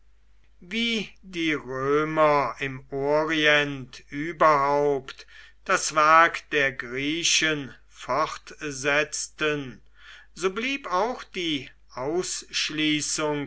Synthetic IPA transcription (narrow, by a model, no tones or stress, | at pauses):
viːdiːʁøːmɐɪmoːʁiɛntyːbɐɦaʊpt | d̥asv̥ɛɐkd̥eːɐɡʁiːʃən | fɔχtzɛt͡stən | zoːbliːpaʊxd̥iː | ʔaʊsʃliːsʊŋ